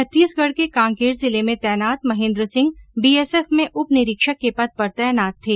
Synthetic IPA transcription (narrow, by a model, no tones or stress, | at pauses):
ɐt̪ːiːsɡɐɽkekãːŋkeːɾzɪlemẽt̪ɛːnaːt̪mɐɦẽːnd̪ɾəsɪ̃ŋɡ̚biːɛːsɛːfmẽʔʊpnɪɾɪkʃəkːepɐd̪̚pɐɾt̪ɛjənaːt̪ʰːeː